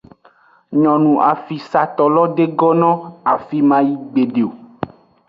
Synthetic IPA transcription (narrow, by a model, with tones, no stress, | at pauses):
ɲɔ̃˨nũ˨ʔa˨fi˨sa˨t̪ɔ˨lɔ˦ɖe˦ɡɔ˦nɔ̃˦a˨fi˨mã˦ji˦ɡ͡be˨ɖe˨o˨